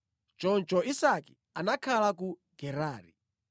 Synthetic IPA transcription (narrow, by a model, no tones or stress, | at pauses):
t͡ʃɔnt͡ʃɔisaki̥ | anakʰalak̬uɡɛɾaːɾḭ